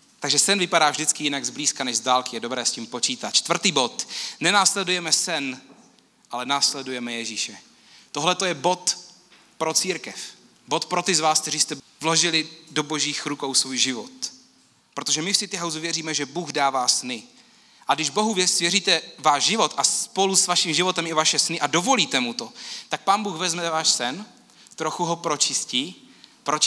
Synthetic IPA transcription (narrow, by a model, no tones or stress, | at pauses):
t̪aɡʒɛsɛnvɪpadaːvʒdɪt͡skɪjɪnaɡzbliːskanɛʒzdaːlkɪjɛdo̞bɾɛːsciːmpo̞t͡ʃiːt̪at̪t͡ʃt̪vr̩t̪iːbo̞t̪nɛnaːslɛdujɛmɛsɛn | ʔalɛnaːslɛdujɛmɛjɛʒiːʃɛ | t̪o̞ɦlɛt̪o̞jɛbo̞t̪ | pɾot͡siːɾkɛf | bo̞t̪pɾo̞t̪ɪzvaːsk̚t̪ɛɾiːst̪ɛvlo̞ʒɪlɪdo̞bo̞ʒiːxɾukowsvuːjʒɪvot̪ | pɾo̞t̪o̞ʒɛmɪfsɪt̪ɪɦawzuvjɛriːmɛʒɛbuːɣdaːvaːsnɪ | ʔaɡdɪʒbo̞ɦuvjɛsvjɛriːt̪ɛvaːʒʒɪvo̞t̪ʔaspo̞lusvaʃimʒɪvo̞t̪ɛmɪvaʃɛsnɪʔado̞vo̞liːt̪ɛmut̪o̞t̪ak̚paːnbuːxvɛzmɛvaːʃsɛn | t̪ɾoxuɦopɾo̞t͡ʃɪsciːpɾo